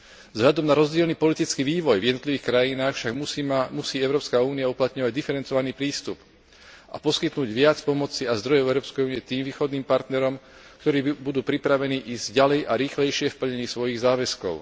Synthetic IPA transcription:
vzɦʎad̪ɔmnaɾɔzɟɪɛlniːpɔlit̪it͡skiʋiːʋɔjvjɛd̪nɔt̪liʋiːxkɾajinaːxfʃaɡmusiːɛʊɾɔːpskauːniauplat̪ɲɔʋaɟd̪ifɛɾɛnt͡sɔʋaniːpɾiːst̪up | ʔa̰pɔskit̪nuːɟʋɪat͡spɔmɔt͡siazd̪ɾɔjɛɛʊɾɔːpskɛjuːniit̪iːmʋiːxɔd̪niːmpaɾt̪nɛɾɔm | kt̪ɔɾiːbud̪uːpɾipɾaʋɛniːʔiːzɟalɛjʔaɾiːxlɛjʃɪɛfpl̩ɲɛɲiːsʋɔjiɣzaːʋɛskɔ̰ʊ

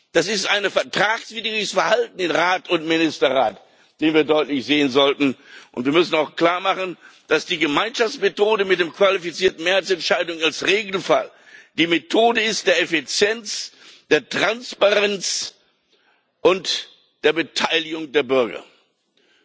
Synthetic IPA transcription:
d̥asɪstʔaɪnəfɛɐtʁ̥aːksv̥iːdʁɪəsfɛɐhaltn̩ɪnʁaːtʊntmɪnɪstɐʁaːt | d̥eːnviːɐdɔʏtlɪçz̥eːənzɔltn̩ʔʊ̰ntv̥iːɐmʏsn̩aʊxkl̥aːɐmaχən̩d̥asd̥iːɡəmaɪnʃaft͡smetʰoːdəmɪtd̥eːmkv̥alifit͡siːɐtn̩meːɐhaɪt͡sɛntʃaɪdʊŋalsʁeːɡl̩fa̰l | d̥iːmetʰoːdəɪstd̥eːɐɛfit͡sjɛnt͡sd̥eːɐtʁ̥anspaʁɛnt͡s | ʔʊnt | d̥eːɐbətʰaɪlɪɡʊŋdeːɐbʏɐɡɐ̰

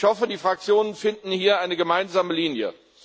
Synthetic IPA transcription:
hɔfədiːfʁ̥ak̚t͡sjoːnənfɪndn̩hiːɐʔaɪnəɡəmaɪnzaːməliːnjə̰

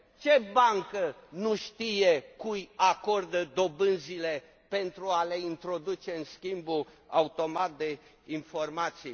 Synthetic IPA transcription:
t͡ʃe̞baŋkənuʃt̪ije̞kujako̞rd̪əd̪o̞bɨnzile̞ | pe̞nt̪ɾuale̞int̪ɾo̞d̪ut͡ʃe̞ɨnskʲimbu | aut̪o̞mat̪̚d̪e̞ | info̞rmat̪si

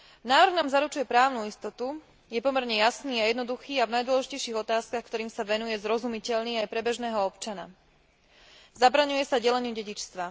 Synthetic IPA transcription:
naːʋɾrɣnaːmzaɾut͡ʃujɛpɾaːʊnuist̪ɔt̪u | jɛpɔmɛɾɲɛjasniːajɛd̪nɔd̪uxiːavnajd̪ʊwɔlɛʒicɛjʃiːɣɔt̪aːskaxkt̪ɔɾiːmsaʋɛnujɛzɾɔzumicɛʎlniːajpɾɛbɛʒnɛːɦɔɔpt͡ʃana̰ | zabɾaɲujɛsaɟɛlɛɲuɟɛɟit͡ʃst̪ʋa

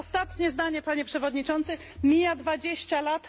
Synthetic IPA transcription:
ɔst̪at̪ɲɛzd̪aɲɛpaɲɛpʂɛvɔd̪ɲit͡ʂɔnt̪sɘ | mʲijad̪vad͡ʑeɕt͡ɕalat̪

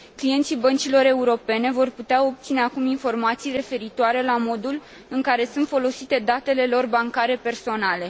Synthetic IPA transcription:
klije̞nt̪sibənt͡ʃilo̞ɾe̞uɾo̞pe̞ne̞vo̞rput̪eao̞p̚t̪sine̞akuminfo̞rmat̪sijre̞fe̞ɾit̪oaɾe̞lamo̞d̪ul | ɨŋkaɾe̞sunt̪fo̞lo̞sit̪e̞d̪at̪e̞le̞lo̞rbaŋkaɾe̞pe̞rso̞nale̞

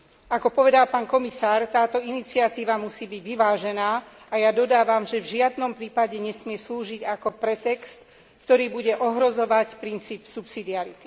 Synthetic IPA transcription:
akɔpɔʋɛd̪alpaːnkɔmisaːɾt̪aːt̪ɔinit͡siat̪iːʋamusiːbiɟʋiʋaːʒɛnaː | ajad̪ɔd̪aːʋamʒɛvʒɪad̪nɔmpɾiːpaɟɛɲɛsmɪɛsluːʒiɟakɔpɾɛt̪ɛkst̪ | kt̪ɔɾiːbuɟɛʔɔɦɾɔzɔʋacpɾint͡siːpsupsid̪iaɾit̪i̥

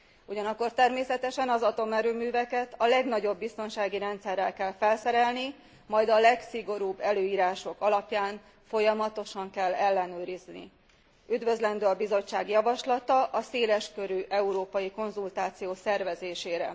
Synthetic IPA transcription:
uɟɒnɒkːo̞rt̪ɛrmeːsɛt̪ɛʃɛnɒzɒt̪o̞mɛɾøːmyːvɛkɛt̪ʰɒlɛɡn̪ɒɟo̞bːist̪o̞nʃaːɡiɾɛnt̪sɛrːɛlkɛlfɛlsɛɾɛlni | mɒjd̪ɒlɛksiɡo̞ɾuːbːɛløːiːɾaːʃo̞kɒlɒpjaːn | fo̞jɒmɒt̪o̞ʃɒŋkɛlːɛlːɛnøːɾiznḭ | yd̪vø̞zlɛnd̪øːɒbizo̞t͡ʃːaːɡjɒvɒʃlɒt̪ɒʔɒseːlɛʃkø̞ɾyʔɛuɾoːpɒjiko̞nzult̪aːt̪sijoːsɛrvɛzeːʃeːɾɛ

